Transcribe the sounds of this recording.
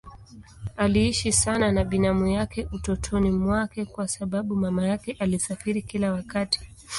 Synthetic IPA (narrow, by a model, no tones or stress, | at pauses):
aliiʃisananaɓinamujakɛutɔtʰɔnimwakɛkwasaɓaɓumamajakɛʔalisafiɾikilawakati̥